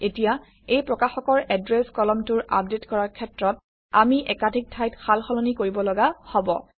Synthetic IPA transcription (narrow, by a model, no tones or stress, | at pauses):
etija | ejpɹɔkaxɔkɔɹɛdɹɛskɔlɔmtʊɹa̰p̚detkɔɹaɹkʰɛtɹɔt | amiʔɛkadʱik̚tʰajtxalxɔlonikoɹibɔlɔɡahɔbɔ̰